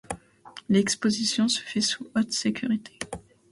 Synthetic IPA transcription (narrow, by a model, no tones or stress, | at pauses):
lɛkspozisjɔ̃sə̥fɛsuot̪sekʲʰyʁit̪ʰe̥